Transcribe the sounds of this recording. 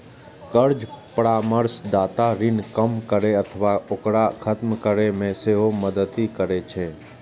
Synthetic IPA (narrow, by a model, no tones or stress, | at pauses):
kəɾd͡ʒpəɾaːməɾsd̪aːt̪aɾɪnkəmkəɾeət̪ʰʋaʊkɽakʰət̪mkəɾemẽseɦoməd̪ət̪ikəɾet͡ʃʰeː